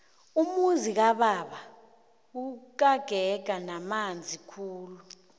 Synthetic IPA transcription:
umuzik̬aɓaɓa | uk̬ʼaɡ̥ʱɛɡ̥̬ʱanamand͡zʱikʰuːlu

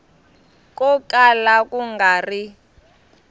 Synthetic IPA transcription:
k̬ʼɔkʼalakʼuŋɡaːri

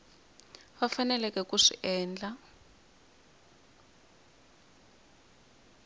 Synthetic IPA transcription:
βafanɛlɛkɛkuʂḭʔɛːnd͡ɮa

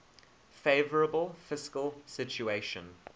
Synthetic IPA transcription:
feɪvəɹəbəlˠfɪskəlˠsɪt͡ʃueɪʃə̃n

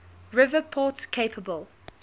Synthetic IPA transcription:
ɹɪvəpʰɔtkʰeɪpʰəbəlˠ

